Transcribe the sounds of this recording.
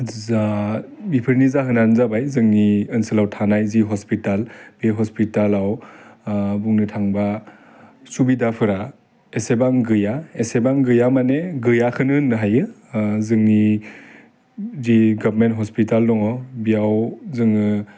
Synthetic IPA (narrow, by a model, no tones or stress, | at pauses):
zabipʰɯɾnizaɦɯnanzabajzɯŋniɯnsɯlawtʰanajziɦɔspitalbeɦɔspitalaw | buŋnɯtʰaŋba | subidapʰɯɾa | esebaŋɡɯjaesebaŋɡɯjamaneɡɯjakʰɯnɯnːɯɦajɯzɯŋni | ziɡabɾmentɦɔspitaldɔŋɔbijawzɯŋɯ